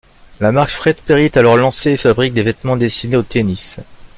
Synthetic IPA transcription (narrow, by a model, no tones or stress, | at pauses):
lamaʁʃfχɛd̪peʁit̪alɔʁlɑ̃seːfabʁik̚d̪evɛt̪mɑ̃d̪est̪ineot̪enis